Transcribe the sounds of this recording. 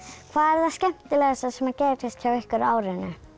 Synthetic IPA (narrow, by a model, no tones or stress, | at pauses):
kʰvaːðɛɾ̥θascɛm̥t̪ɪlɛɣasasɛmacɛːɾɪst̪çawɪhkʏɾaːwɾɪnːɪ